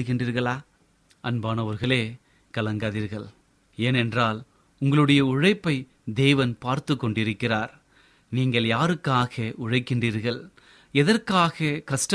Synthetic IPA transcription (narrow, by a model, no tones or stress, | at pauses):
ɯɣɪndriːɾɣɐɭaː | ʔɐnbaːnɐʋɐɾɣɐɭeː | kɐlɐŋɡaːðiːɾɣɐɭ | eːnɛndraːl | ʊŋɡɐɭɯɽɐjɐʊɻɐɪpːɐɪ | d̪eːʋɐnpaːɾt̪ɯkːɔɳɖɪɾɯkːɪraːɾ | niːŋɡɐɭjaːɾɯkːaːɣɐʔʊɻɐɪkːɪɳdriːɾɣɐɭ | ɛðɐɾkaːɣɐkɐʂʈɐ